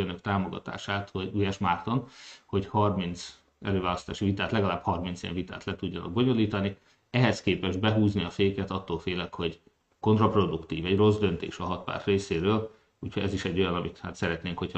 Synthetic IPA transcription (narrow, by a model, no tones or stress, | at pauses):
ønøkt̪aːmo̞ɡɒ̰t̪a̰ːʃaːt̪hoɟujɛʃmart̪o̞nho̞chɒrmint̪s | ɛ̰løːvaːlɒst̪aːʃivit̪aːt̪lɛɡɒlaːbhɒrmint̪sejɛ̰ɱvit̪a̰ːt̪lɛt̪uɟːɒnɒ̰ɡ̚bo̞ɲo̞liːt̪ɒni | ɛɦɛskeːpɛʒbɛɦuːzniɒfeːkɛt̪ɒt̪ːoːlfeːlɛkho̞ɟ | ko̞nt̪rɒpro̞d̪ukt̪iːvɛɟro̞zd̪ø̞nt̪ḛːʃɒɦɒt̪̚pa̰ːrt̪reːseːɾøːl | uːchoɟɛziʃɛɟːo̞jɒnɒmit̪haːt̪sɛɾɛt̪neːŋkho̞c